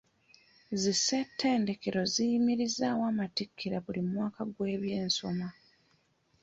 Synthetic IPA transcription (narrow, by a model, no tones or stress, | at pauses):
zisetʰːe̞ːnde̞ke̞ɾo̞zijimiɾizaːwaːmatikʰːiɾaβulimwaːkaɡwe̞ːβje̞ːnso̞̰ma